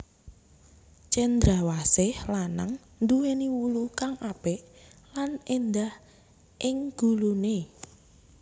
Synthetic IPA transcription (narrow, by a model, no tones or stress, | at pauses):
t͡ʃɛnd̪ɾawasɪhlana̰ŋ | nd̪uweniwulukaŋʔapɛʔlanend̪ah | ʔɪŋɡ̥ṳlune